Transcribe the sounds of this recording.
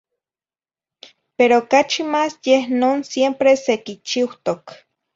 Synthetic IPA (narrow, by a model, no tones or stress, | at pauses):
peɾoːkat͡ʃimaːsjehnoːnsjempɾesekit͡ʃiwt̪ok